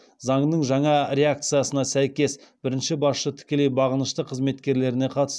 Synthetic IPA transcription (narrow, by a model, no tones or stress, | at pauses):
zɑɴnəɴʒɑɴɑɾʲe̞akt̪sɨjasənɑsæjkʲe̞sb̥ɪɾɪnʃɪbɑsʃət̪ʰɪ̥kʲe̞lejbɑʁənəʃt̪əqʰəzme̞t̪kʲe̞ɾle̞ɾɪne̞qʰɑt̪ə̥s